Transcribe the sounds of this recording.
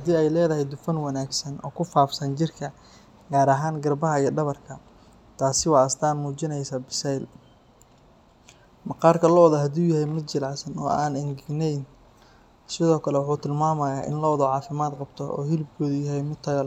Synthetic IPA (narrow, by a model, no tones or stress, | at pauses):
hɐd̪iːɛjlɛːðɐɦɛjd̪ʊfɐnwɑnaːɡsɐnʔɔ̰ːkʰʊfaːfsɐnt͡ʃɪrkʰɐ | ɡaːɾɐɦaːŋɡɐrbɐɦɐijɖɐβɐrkʰɐ | t̪ʰaːsɪwɑɐst̪ʰaːnmuːt͡ʃɪnɛjsaːbɪsɛjl | mɑqɑːrkʰɐlɔwðɐɦɐd̪uːjɐɦɛjmɪd̪t͡ʃɪlaːsɐnɔ̰ːʔa̰ːnɪŋɡɪɡnɛjn | sɪðɔːkʰɐlɛwʊħuːt̪ʰɪlmaːmɐjaːʔɪ̰nlɔːwðɔʕɑːfɪmaːd̪qɑbt̪ʰɔʔɔ̰ːɦɪlɪb̚kʰɔːðʊjɐɦɛjmɪd̪t̪ʰɐɣɐl